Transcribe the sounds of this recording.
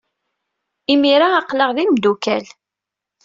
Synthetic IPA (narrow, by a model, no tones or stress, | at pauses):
imiɾaːqləʁðimd̪ukæl